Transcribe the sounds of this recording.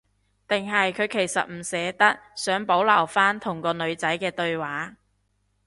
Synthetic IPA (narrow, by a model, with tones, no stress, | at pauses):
t̪ɪ˨ŋɦɐ˨jkʰɵ˨˧ɥkʰe˨˩jsɐ̰˨t̚m̩˨˩sɛː˨˧t̪ɐ˥t̚sœː˨˥ŋpo˨˥wlɐ˨˩wfaː˥nt̪ʰʊ˨˩ŋkɔː˧nɵ˨˧ɥt͡sɐ˨˥jkɛː˧t̪ɵ˧ɥwaː˨˥